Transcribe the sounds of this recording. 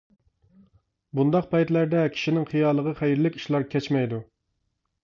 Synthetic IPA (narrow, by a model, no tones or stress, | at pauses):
bund̪ɑqpɛjt̪læɾd̪ɛkʲʰi̥ʃinɪŋχijɑːlˠəʁəχæjɾlɪkʲi̥ʃlˠɑɾkʲʰɛt͡ʃmɛjd̪u